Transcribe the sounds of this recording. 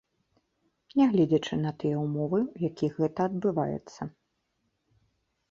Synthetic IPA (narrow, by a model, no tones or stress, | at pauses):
nʲɛɣlʲɛd͡zʲɐt͡ʂɨnɐt̪ɨjɛumɔvɨwjakʲiɣɛt̪ɐːd̪bɨva̰jɛ̰t̪sːɐ